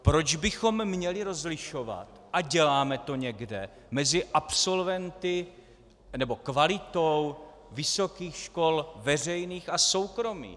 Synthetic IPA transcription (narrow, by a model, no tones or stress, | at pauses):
pɾo̞d͡ʒbɪxo̞mːɲɛlɪɾo̞zlɪʃo̞va̰t̪ʔaɟɛlaːmɛt̪o̞ɲɛɡdɛ | mɛzɪʔapso̞lvɛnt̪ɪ | nɛbo̞kvalɪt̪ow | vɪso̞kiːxʃko̞lvɛr̝ɛjniːxaso̞wkɾo̞mḭː